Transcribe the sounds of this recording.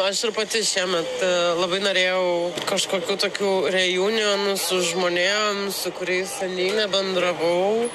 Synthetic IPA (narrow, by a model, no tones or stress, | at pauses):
ɐʃtɪɾpɐt̪ʲɪʃʲiɛmʲɛt̪lˠɐbɐɪnoːɾʲeːjɛʊkɐʃkoːkʲuːt̪oːkʲuːɾʲɛjuːnʲunʊsʊʒmoːnʲeːmsʊkʊɾʲɛɪssɐnʲiːnʲɛbʲɛnd̪ɾɐʋɐʊ